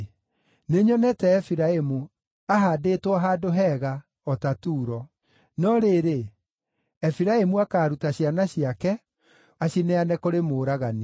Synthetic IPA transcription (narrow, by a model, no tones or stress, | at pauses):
neɲɔnɛtɛːfiɾaemu | aɦadetwɔɦaːdoɦɛɣa | ɔtatuːɾɔ | nɔɾeɾe | ɛfiɾaemuakaːɾutaɕianaɕiakɛ | aɕinɛanɛkoɾemoːɾaɣani